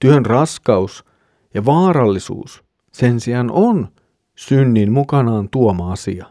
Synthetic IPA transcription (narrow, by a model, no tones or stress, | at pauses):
t̪yønrɑskɑus | jɑʋɑːɾɑlːisṵːs | se̞nsiɑnʔon | synːinmukɑnɑːnt̪uomɑɑsiɑ